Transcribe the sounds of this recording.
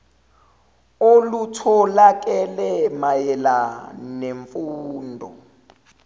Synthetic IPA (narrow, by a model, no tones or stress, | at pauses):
olutʰɔlak̬ʼɛlɛmajɛlaneɱfuːndʱɔ̰